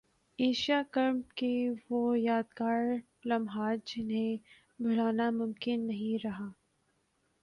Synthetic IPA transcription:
eːʃijakɐɾmkeʋojaːd̪kaːɾ | lɐmɦaːd͡ʒɪnɦẽ | bʱʊlaːnamʊmkɪnːɐɦĩɾɐɦaː

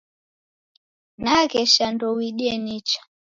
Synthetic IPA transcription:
nakɛʃandɔwiɗiɛnit͡ʃḁ

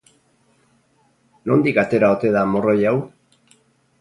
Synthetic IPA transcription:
no̞nd̪ikat̪e̞ɾao̞t̪e̞ðamo̞ro̞jaw

